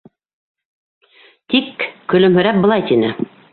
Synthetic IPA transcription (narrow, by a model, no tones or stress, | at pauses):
t̪ikːɵ̆lɵ̆mɦɵ̆ɾæp̚bɤ̆lˠɑjt̪inɘ